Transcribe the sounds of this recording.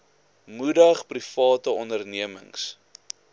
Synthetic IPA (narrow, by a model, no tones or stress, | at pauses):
mudəχprifɑːtəɔndərniəmə̰ŋs